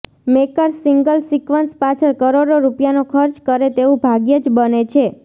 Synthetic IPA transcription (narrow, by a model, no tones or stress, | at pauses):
mekəɾsiŋɡəlsikʋənspat͡ʃʰəɭkəɾoɽoɾupjanokʰəɾt͡ʃkəɾet̪eũbʱaɡjəd͡ʒbənet͡ʃʰe